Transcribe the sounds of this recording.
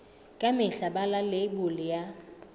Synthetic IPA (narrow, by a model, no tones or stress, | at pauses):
kʼamɪɬabalalebʊlɪja